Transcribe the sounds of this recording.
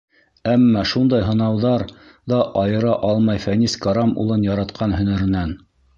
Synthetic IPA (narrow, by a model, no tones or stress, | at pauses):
æmːɑʃund̪ɑjɦɤ̆nɑwðɑɾ | ðɑʔɑjɤ̆ɾɑʔɑlˠmɑjfæniskaɾɑmṵlˠɤnjɑɾɑt̪qʰɑnhɵ̆nɘ̆ɾɘ̆næn